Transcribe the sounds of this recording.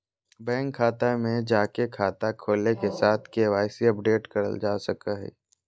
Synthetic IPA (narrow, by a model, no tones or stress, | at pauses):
bɛ̃ːŋkʰːaːt̪amẽd͡ʒaːkekʰaːt̪akʰoːlekesaːt̪ʰkeːʋaːɪsiɐp̚ɖeːʈkɐɾə̰ld͡ʒaːsɐkaɦɛ̰ː